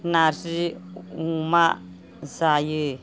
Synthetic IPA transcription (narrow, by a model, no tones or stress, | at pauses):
nasiuma | zajɯ